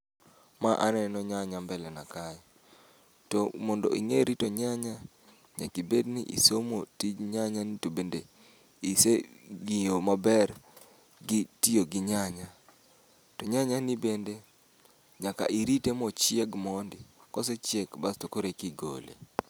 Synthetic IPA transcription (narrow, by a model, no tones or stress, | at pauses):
maʔa̰nɛnɔɲaɲambɛlɛnakaj | tɔmɔndɔ̰ʔḭŋeɾitɔɲaɲa | ɲa̰kibednɪʔḭsomotid͡ʒɲaɲanitobende | iseɡijomabɛr | ɡɪtijoɡɪɲaɲa | tɔɲaɲanɪbende | ɲaka̰ʔiɾitemɔt͡ʃɪeɡmɔndɪkɔset͡ʃɪekbastokoɾekiɡo̰lḛ